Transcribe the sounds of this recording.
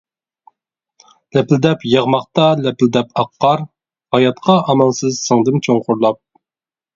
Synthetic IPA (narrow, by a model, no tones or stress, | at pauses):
lɛpld̪ɛpjɑʁmɑχt̪ɑlɛpld̪ɛpʰɑqːɑɾ | hɑjɑt̪qʰɑɑmɑnsɨzsɨŋd̪ɪmt͡ʃʰoŋqʰʊɾlˠɑp̚